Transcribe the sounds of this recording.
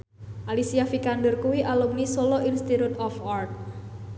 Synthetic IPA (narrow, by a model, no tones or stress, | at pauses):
ʔalisijafikandərkuwiʔalɔŋnisolɔʔinst̪it̪ut̪ɔfart̪̚